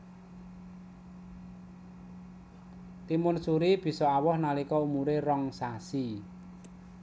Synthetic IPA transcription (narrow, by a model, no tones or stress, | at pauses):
t̪imʊnsuɾib̥i̤sɔawɔhnalikɔumuɾerɔŋsasi